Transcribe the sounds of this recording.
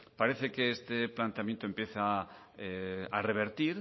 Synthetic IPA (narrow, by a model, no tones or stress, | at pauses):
paɾeθekeest̪eplant̪eamjent̪oempjeθa | eareβ̞eɾt̪iɾ